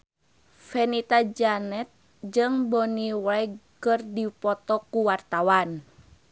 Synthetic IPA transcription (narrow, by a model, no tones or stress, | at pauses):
fɛnit̪ad͡ʒanɛt̪̚ | d͡ʒɨŋbɔniwaɛkɨrdipɔt̪ɔkuwart̪awan